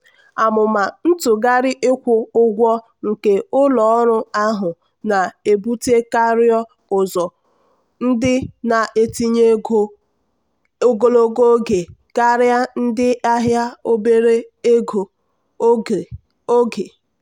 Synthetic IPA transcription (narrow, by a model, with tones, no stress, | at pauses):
a˨mʊ˨ma˨n̩˦tʊ˨ɡa˦ɾɪ˦ʔɪ˦kʷʊ˦ʊ˦ɡʷɔ˦ | ŋ̩˨ke˨ʊ˦lɔ˨ɔ˦ɾʊ˦a˦ɦʊ˨ | na˨e˨bu˦te˦ka˦ɾjɔ˦ | ʊ˨zɔ˨ | n̩˦dɪ˦na˨ʔe˨ti˦ɲe˦ | o˦˨ɡo˨lo˦ɡo˦ɡe˨ɡ̥a˦ɾɪ˦a˦n̩˦dɪ˦a˦ɦja˦o˦be˦ɾe˦e˦ɡo˨˦˨ | o˦ɡe˨